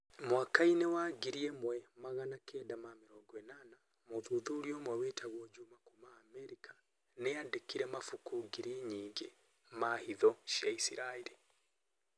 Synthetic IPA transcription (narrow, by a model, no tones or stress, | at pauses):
mwakainewaɡiɾiɛmwɛmaɣanakɛdamameɾɔɡwɛnana | moðuðuɾiɔmɔwetʰaɣwɔd͡ʒumakumaːmɛɾikʰḁ | neadekiɾɛmafukuɡiɾieɲiːŋɡe | mahiðɔʃjaisiɾaeɾi